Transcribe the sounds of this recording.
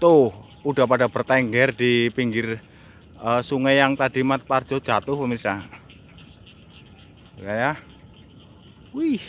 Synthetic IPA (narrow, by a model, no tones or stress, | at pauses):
t̪ʊh | uɖ̥a̤paɖ̥a̤b̥ə̤rt̪ɛŋɡɛrd̪̥ipiŋɡɪr | əsuŋɛjaŋt̪ad̥i̤mat̪̚pard̥ʒ̥ɔ̤d̥ʒ̥a̤t̪ʊhpəmisa | jaja | wih